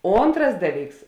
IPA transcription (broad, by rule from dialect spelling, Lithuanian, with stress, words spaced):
ˈoːntrɐs ˈdɑːˌlʲiːks